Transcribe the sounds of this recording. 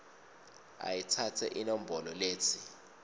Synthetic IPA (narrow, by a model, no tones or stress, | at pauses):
a̰jitʰatʰɛ̰ʔinom̩bʱɔlɔleːt͡sʰi̥